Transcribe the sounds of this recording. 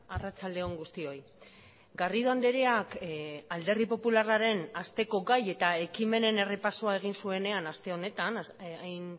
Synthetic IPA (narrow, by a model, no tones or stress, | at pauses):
arat͡sald̪e̞o̞ŋɡust̪io̞j | ɡariðoand̪eɾeakald̪e̞rðipo̞pularaɾe̞nast̪e̞ko̞ɡaje̞t̪ae̞kime̞ne̞ne̞re̞paso̞ae̞ɣ̞insue̞ne̞anast̪e̞o̞ne̞t̪anajn